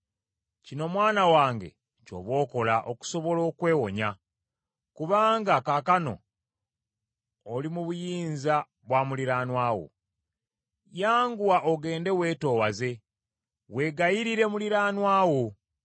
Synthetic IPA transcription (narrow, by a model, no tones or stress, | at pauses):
cino̞mwaːnawaːŋɡe̞̰ | co̞̰βwo̞ːko̞laʔo̞̰ku̥so̞βo̞lo̞ːkwe̞ːwo̞ɲa | kuβaːŋɡakakano̞̰ | limuβujiːnza | βwaːmuliɾaːnwaːwo̞̰ | jaːŋɡuwaʔoɡe̞ːnde̞we̞ːto̞ːwaze̞ | we̞ːɡajiɾiɾe̞muliɾaːnwaːwo